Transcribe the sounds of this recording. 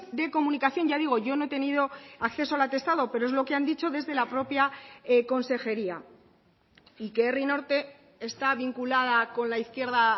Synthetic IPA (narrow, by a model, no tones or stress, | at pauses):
d̪e̞ko̞mũnikaθjo̞nʝaðiɣ̞o̞ʝo̞no̞et̪e̞niðo̞akθe̞soalat̪e̞st̪aðo̞pe̞ɾoe̞zlo̞keand̪it͡ʃo̞ðe̞zðe̞lapɾo̞pjako̞nse̞xe̞ɾia | ikeerino̞ɾt̪e̞ | est̪aβiŋkulað̞ako̞nlaiθkje̞ɾða